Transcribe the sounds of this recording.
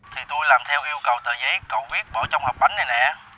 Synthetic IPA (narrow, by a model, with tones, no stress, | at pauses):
t̪ʰi˨˩t̪u˧jlaː˨˩mt̪ʰɛ˧wʔi˧əwkə˨˩wt̪əː˨˩jzə˨˦jkə˨˩wvi˦˥ət̚ɓəː˧˩t͡ɕɔ˧wŋ͡mhəː˨˩k͡p̚ɓa˨˦ŋ̟nə˨˩jnɛ̰˧˨